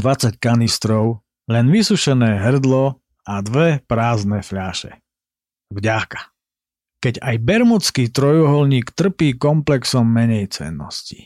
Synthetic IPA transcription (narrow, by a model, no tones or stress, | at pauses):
d̪ʋat͡sackanist̪ɾɔʊ | lɛnʋisuʃɛnɛːɦr̩d̪lɔ | ad̪ʋɛpɾaːznɛfʎaːʃɛ̰ | vɟakḁ | kɛɟajbɛɾmɔt͡skiːt̪ɾɔjɔɦɔlɲiːkt̪r̩piːkɔmplɛksɔmːɛɲɛjt͡sɛ̰nːɔ̰sci̥